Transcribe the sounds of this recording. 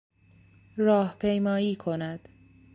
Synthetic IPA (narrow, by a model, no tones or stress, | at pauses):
rɒːhpʰe̞jmɒːiːkʰonæd̪̥